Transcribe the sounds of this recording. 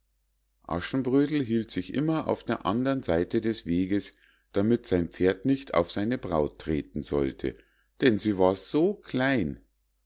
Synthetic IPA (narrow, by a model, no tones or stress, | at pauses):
ʔa̰ʃn̩bʁøːdl̩ɦiːltz̥ɪçʔɪ̰mɐʔa̰ʊfd̥eːɐʔandɐʁnzaɪtədɛsv̥eːɡəs | d̥amɪtz̥aɪnpp͡feːɐtnɪçtʰa̰ʊfz̥aɪnəbʁaʊtʰːʁ̥eːtn̩zɔ̰ltʰə̰ | d̥ɛnziːvaːɐz̥oːkʰl̥aɪn